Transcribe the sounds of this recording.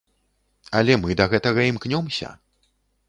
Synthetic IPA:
ɐlʲɛmɨd̪ɐɣɛt̪ɐɣɐimknʲɔmsʲɐ̰

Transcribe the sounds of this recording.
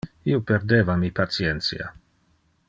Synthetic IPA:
iopeɾd̪eːvamipat̪sient̪sja̰

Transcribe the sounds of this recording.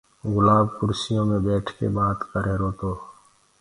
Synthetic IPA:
ɣʊlaːbkʊɾsijõmẽbɛːʈʰkḛbaːt̪kəɾeɾoːt̪oː

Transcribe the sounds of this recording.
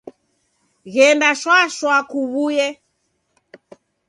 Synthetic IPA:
ɣɛndaʃwaʃwakuβujɛ

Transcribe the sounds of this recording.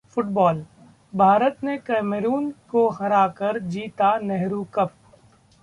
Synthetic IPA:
fʊʈbɔːl | bʱaːɾət̪nekɛːmeɾuːnkoxɐɾaːkɐɾd͡ʒiːt̪anɛɦɾukɐp̚

